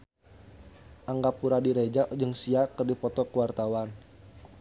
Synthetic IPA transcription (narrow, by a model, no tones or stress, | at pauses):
ʔaŋɡapuɾadiɾed͡ʒad͡ʒɨŋsiakərdipɔt̪ɔkəwart̪awan